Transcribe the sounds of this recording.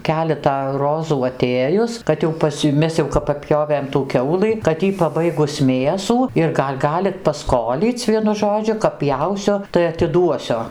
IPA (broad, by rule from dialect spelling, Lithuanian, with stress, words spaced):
ˈkʲæːlʲɛtɑː ˈroːzuː ɐˈtʲeːjʊs kɐt jɛʊ ˈpɐs jɛʊ ˈmʲɛs jɛʊ pɐˈpʲjoːʋʲeːm tuː ˈkʲɛʊlˠɨ kɐt ˈjiː pɐˈbɐɪɡʊs ˈmʲeːsuː ɪr ˈɡɐlʲ ˈɡɑːlʲɪt pɐˈskoːlʲiːt͡sʲ ˈʋʲiɛnʊ ˈʒoːd͡ʒʲʊ kɐp ˈpʲjɛʊsʲʊ tɐɪ ɐtʲɪˈduɔsʲʊ